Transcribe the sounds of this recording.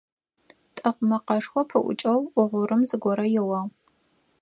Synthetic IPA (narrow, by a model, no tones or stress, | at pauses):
tʼɨqʷʊmɐqɐʂxʷɔpʰɨʔʷʊ̰t͡ʃʼɐwʊʁʷʊɾɨmzɨɡʷɔɾɐjɪɛwɑ